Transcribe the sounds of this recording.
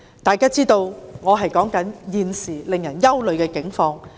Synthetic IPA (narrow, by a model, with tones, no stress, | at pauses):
t̪aː˨jkaː˥t͡siː˥t̪o˧wŋɔː˨˧ɦɐ˨jkɔː˨˥ŋkɐ˨˥njiː˨nsiː˨˩lɪ˨ŋjɐ˨˩njɐ˥wlɵ˨ɥkɛː˧kɪ˨˥ŋfɔː˧ŋ